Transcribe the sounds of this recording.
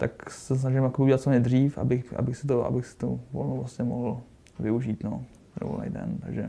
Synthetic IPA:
t̪aksɛs̬naʒɪmakobiuɟɛlat̪t͡soɲɲɛd̪r̝iːfa̰bɪxʔa̰bɪxsɪt̪̬oa̰bɪxsɪ̥t̪uvolnowvlasɲɛmoɦl̩ | vɪuʒiːt̪no̰ | ɾo̰lɛ̰jdɛ̰nt̪aɡʒɛ

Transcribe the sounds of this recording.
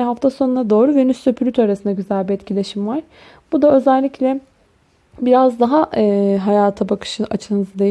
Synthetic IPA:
ɦaft̪ʰasonunad̪o̞ːɾuvenyst̪øpʰylʲyt̪ʰaɾasɯnd̪aɟyzælʲbiɛt̪cʰilʲeʃimvaɾ̥ | b̥ud̪aø̞zɛlʲːiclʲɛ | biɾazd̪aɦaɛːɦajaːt̪ʰabakʰɯ̥ʃɯʔat͡ʃʰɯnɯzd̪e

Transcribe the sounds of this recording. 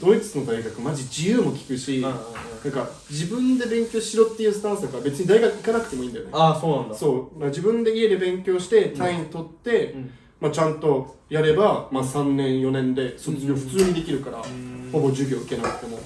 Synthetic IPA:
d̪̥o̞it͡sɨ̥t͡sɨno̞d̪aiɡakɯ̟maʑid͡ʑijɯːmo̞kʲi̥kɯ̟ɕinãŋka | d͡ʑibɯ̟̃nd̪e̞bẽ̞ŋkʲo̞ːɕiɾo̞t̪ːejɯsɨ̥t̪ãsɨakabe̞t͡sɨɲ̟id̪aiɡakɯ̟ikanakɯ̟̥t̪e̞moĩːnd̪ajoneasoːnãnd̪aso̞ːd̪akːad͡ʑibɯ̟̃nd̪e̞ied̪ebẽ̞ŋkʲo̞ːɕi̥t̪e̞t̪ʰaĩnt̪o̞t̪ːe̞ | mat͡ɕãnt̪o̞jaɾe̞bamasãnːẽ̞ɰ̃jo̞nẽ̞nd̪e̞soioɸɯ̟̥t͡sɨːɲ̟id̪e̞kʲiɾɯ̟kaɾa̰ho̞bo̞ʑɨːbʲo̞ːɯ̟ke̞nakɯ̥t̪e̞mo̞

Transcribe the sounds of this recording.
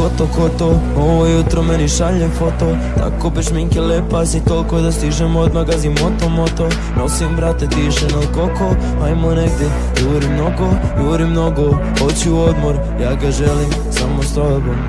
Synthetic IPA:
ot̪okot̪o | oʋojut̪ɾomeniʃaʎefot̪o | t̪a̰kopeʃmiŋkelepasit̪olkod̪ast̪iʒemod̪maɡazimot̪omot̪o | nosimbɾat̪et̪iʃenalkoko | ajmoneɡ̚d̪je | ɡoʋoɾimnoɡoɡoʋoɾimnoɡo | hot͡ɕuuod̪moɾ | jaːɡaʒelim | samost̪olbom

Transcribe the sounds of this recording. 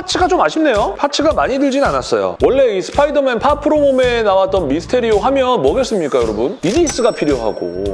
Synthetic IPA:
pʰat͡ɕʰɯɡat͡ɕomaɕʰimne̞jopʰat͡ɕʰɯɡamaɲidɯɭd͡ʑinanas͈ʌjo̰wʌɭːe̞isʰɯ̥pʰaidɯmenpʰapʰɯɾomomenawat̚t͈ʌnmisʰɯ̥tʰe̞ɾioɦamjʌnmʌɡes͈ɯmɲik͈ajoɾʌbunidiːs͈ɯɡapʰiɾjoɦa̰ɡo̰

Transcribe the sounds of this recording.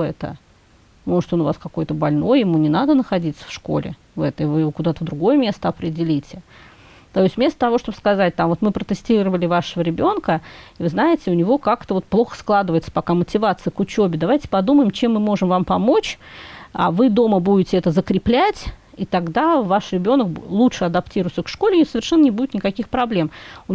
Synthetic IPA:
ɛt̪ə̰ | mo̞ʐɨt̪onʊvaskɐko̞jt̪əbɐlʲno̞jɪmunʲɪnad̪ənəxɐdʲit̪sə̥fʂko̞̰lʲɪ̰ | vɛt̪əɪvɨjɪvokʊd̪at̪əvd̪ɾʊɡo̞jəmʲe̞st̪əɐpɾʲɪdʲɪlʲitʲɪ | t̪oɪst̪ʲvmʲest̪ət̪ɐvo̞ʂt̪obəskɐzat̚ʲt̪amvot̪mɨpɾət̪ɨsʲtʲiɾəvəlʲɪvaʂəvəɾʲɪbʲo̞nkəivɨznaɪtʲɪʊnʲɪvo̞kakt̪əvo̞t̪̚plˠo̞xə̥sklˠad̪ɨvəjɪt̪sə̥pɐkamətʲɪvat̪sɨjəkʊt͡ɕobʲɪd̪ɐvajtʲɪ̥pɐd̪uməjɪmt͡ɕe̞mːɨmo̞ʐɨmvampɐmo̞t͡ɕ | a̰vɨd̪o̞məbudʲɪtʲɪɛt̪əzəkɾʲɪplʲætʲ | it̪ɐɡd̪avaʂɾʲɪbʲo̞nəklˠutʂɨɐd̪ɐptʲiɾʊjtsʲəkʂko̞lʲɪnʲsəvʲɪrʂɛnːənʲɪbudʲɪt̪nʲɪkɐkʲixpɾɐblʲe̞mʊ

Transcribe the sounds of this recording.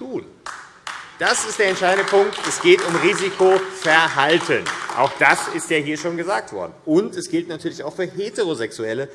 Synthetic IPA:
tʰuːn | d̥asɪstd̥eːɐɛntʃaɪdn̩dəpʰʊŋk̚tɛsɡ̥eːtʊmʁiːzikʰofɛɐɦaltʰənʔa̰ʊxd̥asɪstjaːɦiːɐʃoːnɡəzaːk̚tv̥ɔ̰ɐdn̩ʊntɛsɡ̥ɪltnatʰyːɐlɪçaʊxfyːɐɦeːteʁozɛksuɛlə

